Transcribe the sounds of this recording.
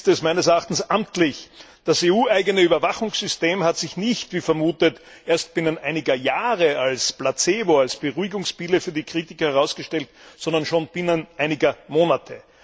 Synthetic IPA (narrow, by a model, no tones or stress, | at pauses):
stɛsmæɪnəsɛɐaχtn̩sʔamtlɪç | d̥aseːuːʔæɪɡənəyːbɐvaχʊŋsz̥ʏsteːmhatz̥ɪçnɪçtv̥iːfɛɐmuːtət | ʔeːɐst̚b̥ɪnənʔæɪnɪɡɐjaːʁəalsb̥lat͡seːvoalsb̥əʁuɪɡʊŋspiləfyːɐdikʁ̥iːtɪkɐhɛʁaʊsɡ̥əʃtɛltsɔndɐnʃoːnb̥ɪnənʔæɪnɪɡɐmoːnatʰə